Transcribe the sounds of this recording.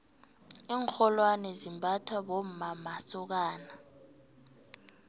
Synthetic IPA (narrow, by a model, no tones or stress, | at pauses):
iːŋxɔlwanɛzimbʱatʰwaɓom̩mamasuk̬aːna